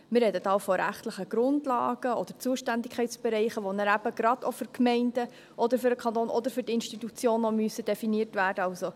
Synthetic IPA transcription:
mɪɾɛdətɑːwfɔɾæ̰χtləχəɡ̥ɾʊndlɑ̰ːɡ̥əɔd̥ət͡suːəʃtændɪkʰχɛɪtt͡sb̥ɛɾɛɪχəʋonəɾæb̥əɡɾɑdofʏɾkʰmɛɪnd̥ə | ʔɔd̪əɾfʏɾəkʰɑnt̪oːnʔɔ̰d̪əɾfʏɾdɪnʃtitut͡sjoːnɔmyəsəd̥ɛfiniəɾtʋæːɾdəɑlso

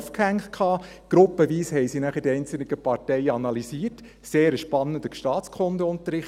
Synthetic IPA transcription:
fkhæŋkʰχɑː | ɡ̥ɾʊpːəʋiːshɛɪsinæχəɾdiɛɪnt͡sl̩nɪɡ̥əpɑɾtɛɪəɑnɑlisiːt | seːɾəʃpɑnːəndəʃtɑːtt͡skʰondəʊnt̪əɾɪχ

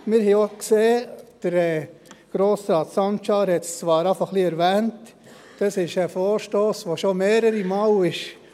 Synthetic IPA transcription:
mɪɾhiokseːd̥əɾɛːɡ̥ɾoːsɾɑːtsɑnt͡ʃɑːɾhɛtst͡sʋɑːɾɑfɑχliɛɾvɛːnt | d̥ɑsɪʃəfoːɾʃtoːsʋoʃomeːɾəɾimɑːlɪʃ

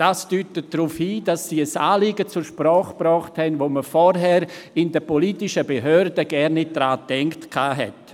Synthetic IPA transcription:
d̥aːsd̥yːtət̚d̥ɾufhiːd̥asːiːəsaːlɪːɡət͡sʊɾʃprɔːχb̥rɔːχthɛnʋoːməfɔɾɦɛɾɪndəpɔlitɪʃəbeɦøːɾdəɡ̥ɛɾnːɪt̚d̥ɾaːtɛŋktkʰaːɦɛ̰t

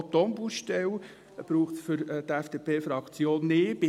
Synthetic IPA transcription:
t̪onbuʃtɛw | b̥ɾuːχtsfʏɾt̪æfd̥eːpʰeːfɾɑkt͡sjoːnːeːb̥ɪ

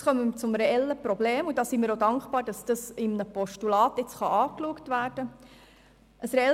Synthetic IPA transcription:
χœmət͡sʊmɾeɛlːəpɾɔbleːmudɑːsimiːɾodɑŋkχbɑːɾd̥ɑsd̥ɑsɪmnəpɔʃtulɑːtɪt͡sχɑʔɑːkluəktʋæːɾd̥ə | ʔəsɾɛɛ

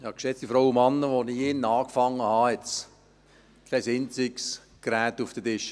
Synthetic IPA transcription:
hɑkʃɛt͡st̪ifɾaʊwəmɑnːəʋoniɪnɑːkfɑŋːəhɑɛt͡s | kʰlɛɪsɪnt͡sɪks | ɡ̥ɾæːt̪ufd̥ədɪʃə

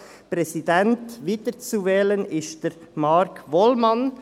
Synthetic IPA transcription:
pɾɛsidɛntviːdət͡suvɛːlənɪʃtd̥əɾmɑɾkʰʋɔlmɑn

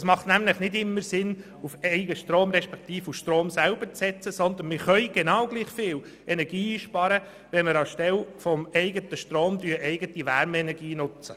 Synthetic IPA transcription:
əsmɑχtnæmlɪχnɪdɪmːəɾsɪn | ufɛɪɡəʃtɾoːmɾɛʃpɛkt̪iːfuʃtɾoːmsælbəɾt͡sɛt͡səsɔnd̪ənmɪχœʏɡ̥enɑwɡ̥liːχfɪːl | ʔɛnɛɾɡiːiːʃpɑɾə | ʋɛməɾɑʃtɛlfɔmɛɪɡət̪əʃtɾoːmd̪yːəʔɛɪɡət̪iʋæɾmɛnɛɾɡiːnʊt͡sə

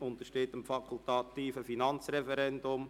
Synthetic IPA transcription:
ʊnt̪əʃtɪtəmfɑkʰʊlt̪ɑt̪iːfəfinɑnt͡srɛfɛɾɛndʊm

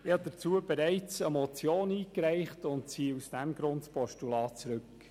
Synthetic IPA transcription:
jɑd̥̪ət͡suːəbɛɾæɪt͡səmɔt͡sjoːniːkɾæɪχtʊntsiːusd̥ɛmɡɾʊntpʰɔʃtulɑːt͡sɾɵk

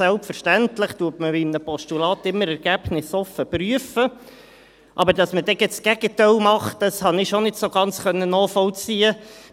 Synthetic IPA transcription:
ælpfəɾʃtæntləχtuətməbimnəpɔʃtulɑːtɪmːəɾɛɾɡ̥æb̥nɪsɔfəpɾyəfə | ʔɑbəɾdɑsmədɛɡ̥ɛsɡ̥ɛɡ̥ətaɪlmɑχtd̥ɑshɑnɪʃonɪtsoɡɑnt͡sχœnːənɔːχfɔlt͡siːə

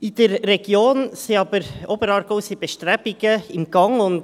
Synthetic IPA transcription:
id̥ɛɾːɛɡ̥joːnseɑbəɾobəɾɑːɾɡ̥oːsib̥eʃtɾɛbiɡ̥əɪmɡ̥ɑŋʊnd

